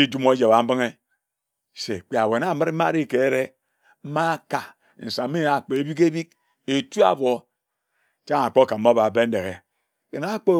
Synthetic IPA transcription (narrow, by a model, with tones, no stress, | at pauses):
i˦d͡ʒu˦mo˦d͡ʒe˨βa˨m̩˦bi˦ŋe˦ | sḛ˨k͡pi˨a˨we˨n˦a˦˨mɨ˦ɾ̩˦a˦ɾi˦˨ke˨e˦ɾe˦ | m̩˦ma˦ka˨ | n̩˨sa˨˦i˦a˨k͡po˨e˦bi˦ke˦bi˦k̚ | e˨tu˦a̰˨bo˨ | t͡ʃa˦ŋa˨k͡po˦ka˨m̩˦o˦ba˨be˦n̩˦de˨ɣe˨ | ke˨na˦k͡po˦